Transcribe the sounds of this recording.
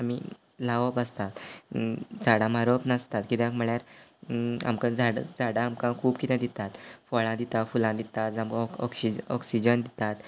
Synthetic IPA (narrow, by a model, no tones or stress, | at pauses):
amḭ | laʋəpast̪at̪ | d͡zaɽãm̤aɾopnast̪at̪kit̪jãkm̤əɭjaɾ | a̰mkad͡zaɽa̰d͡zaɽaːmkãkʰuːbkit̪ẽd̪it̪at̪fɔɭãd̪it̪afulãd̪it̪at̪d͡zamkɔksiɔksid͡ʑənd̪it̪at̪